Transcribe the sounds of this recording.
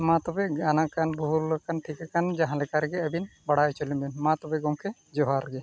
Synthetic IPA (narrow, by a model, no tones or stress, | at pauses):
mãt̪ɔbɛɡanakanbuɦuɾlɔkːanʈʰikakand͡ʒãɦãlɛkaɾɡɛəbinbaɽajt͡ʃolibɛnmãt̪ɔbeɡɔwkʰe | d͡ʒɔɦaɾɡɛ